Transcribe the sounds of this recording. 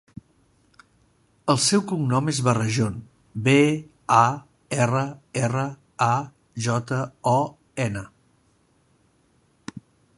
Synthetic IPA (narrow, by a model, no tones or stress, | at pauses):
əlˠsɛwkuŋnɔmezβərəʒon | be | a | ɛrəɛrə | a | ʒɔt̪əɔ | ɛnə